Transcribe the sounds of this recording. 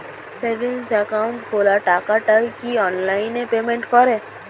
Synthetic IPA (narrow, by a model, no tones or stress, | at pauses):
seʋensakaʊ̃ɳʈkolaʈakaʈajkiɔnlainepemeɳʈkɔɾe